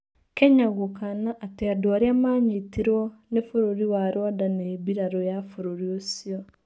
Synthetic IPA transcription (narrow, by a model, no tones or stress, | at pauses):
keɲaɣokanaʔːteadoaɾjamaːɲitiɾwɔnefoɾoɾiwaɾwadaneβiɾaɾojafoɾoɾiosiɔ